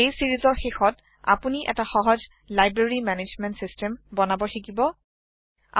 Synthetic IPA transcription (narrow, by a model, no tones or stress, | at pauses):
ejsiɹizɔɹxexɔt | a̰puniʔɛ̰taxɔɦɔz | lajbɹeɹimɛned͡ʒmɛntsistɛmbɔnabɔtʰikibɔ | a̰